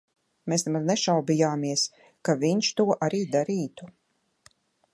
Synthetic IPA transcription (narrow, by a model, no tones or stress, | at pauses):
meːsnɛmad̪nɛʃawbijaːmiɛs | kaviɲʃt̪uɔʔaɾiːd̪aɾiːt̪u